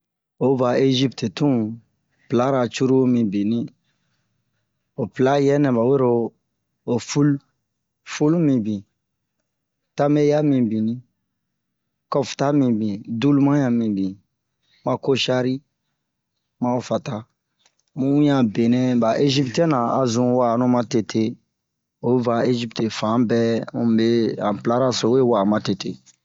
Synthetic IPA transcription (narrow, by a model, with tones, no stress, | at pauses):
o˨ba˨e˦ʒi˦pte˨tũ˦ | pla˦ɾa˨t͡ʃu˦ɾu˦mĩ˨bĩ˨nĩ˦ | o˨pla˦jɛ˦nɛ̃˨ba˨we˦ɾoː˦˧˨ | fu˦l | fu˦lu˦mĩ˨bĩ˨ | ta˦me˦ja˦mĩ˨bĩ˨nĩ˦ | kɔ˦fta˦mĩ˨bĩ˨du˦lu˦mã˦jã˨mĩ˨bĩ˨ | mã˨ko˦ʃa˦ɾi˦ | mã˦o˦fa˨ta˦ | mũ˦jã˨be˨nɛ̃˦ba˨ʔe˦ʒi˦ptɛ̃˦nã˨a˨zũ˨wa˨nũ˦mã˦te˨tʰe˦ | o˨˦va˨e˦ʒi˦pte˨fã˨˦bɛ˦mũ˦be˦ã̰˨pla˦ɾa˦so˨we˦wa˨mã˨te˨tḛ˨